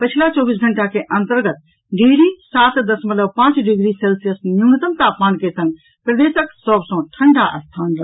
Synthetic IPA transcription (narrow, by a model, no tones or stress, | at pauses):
pət͡ʃʰlat͡ʃɔːbiːs̬ɡʱəɳʈakeʔə̃nt̪əɾɡət̪̚ | ɖiɡɾisaːt̪d̪əsmələʋpãːt͡ʃɖiɡɾiselsijəsnjuŋət̪əmt̪aːpmaːnkesɐ̃ŋɡ | pɾəd̪eːsəksɔːbsɔ̃ʈʰəɳɖaʔəst̪ʰaːnɾə